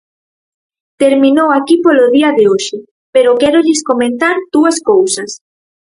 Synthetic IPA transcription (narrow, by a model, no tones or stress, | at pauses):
t̪eɾmĩnowakipoloðiɐðeoʃɪ | peɾokɛɾoʎɪskomẽnθaɾd̪̥uɐskowsɐs